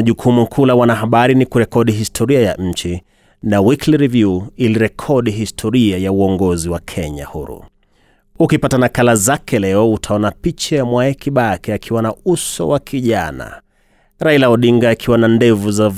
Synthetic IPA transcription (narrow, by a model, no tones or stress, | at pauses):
ʄukʰumukʰulawanaɦaɓaɾinikuɾɛkɔɗiɦistʰɔɾiaja̰ʔm̩t͡ʃi | nawikliɾivjuiliɾɛkʰɔɗiɦistʰɔɾiajauɔŋɡɔziwakʰɛɲa̰hṵɾṵ | ukipatanakalazakɛlɛɔutʰaɔnapit͡ʃajamwaɛkiɓakɛakʰiwanausɔ̰wakʰiʄana̰ | ɾailaɔɗiŋɡaːkʰiwanandɛvuza